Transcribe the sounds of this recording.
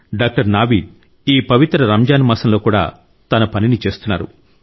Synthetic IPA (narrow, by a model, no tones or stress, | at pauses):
ɖaːk̚ʈɐɾnaːʋiːɖ̚ | iːpɐʋit̪ɾɐɾɐmd͡ʒaːnimɐːsɐmlo̞ːkuːɽa̰ː | t̪ɐnɐpɐninit͡ʃe̞ːst̪unːa̰ːɾṵ